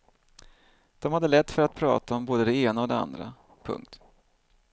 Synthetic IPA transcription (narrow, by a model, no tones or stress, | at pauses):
d̪̥ɔmhad̪ːəlɛt̪ːfœɾat̪̚pʰɾɑ̰ːt̪aɔmboːd̪əd̪ɛeːnaɔd̪ɛa̰nd̪ɾa̰ | pʰɵ̰ŋk̚t̪